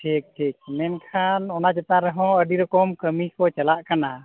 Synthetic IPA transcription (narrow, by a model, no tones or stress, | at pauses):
ʈʰik̚ʈʰik̚mɛnkʰanɔnad͡ʒɛt̪aɾɛɦɔ̃əɖiɾɔkɔmkəmikɔt͡ʃalaʔkana